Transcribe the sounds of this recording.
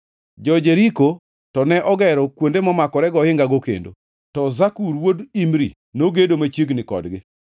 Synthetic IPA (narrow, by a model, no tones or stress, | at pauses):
d͡ʒɔd͡ʒeɾiko | tɔnɛʔɔɡɛɾɔkwondemɔmakɔɾɛɡɔhɪŋɡaɡokḛndo̰ | tɔzakuɾwodimɾḭ | noɡedomat͡ʃjeɡnɪkɔ̰dɡɪ